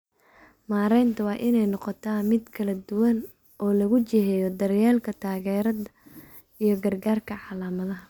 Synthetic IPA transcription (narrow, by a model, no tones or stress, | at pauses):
maːɾɛjnt̪ʰɐwɑːʔɪnɛjnɔqɔt̪ʰaːmɪd̪kʰɐlɐd̪ʊwɐn | ʔɔːlɐɣʊt͡ʃɛɦɛjɔd̪ɐɾjaːlkʰɐt̪ʰaːɣɛːɾɐðɐ | ijɞɡɐrɡaːrkʰɐʕɑlaːmɐðɐɦɐ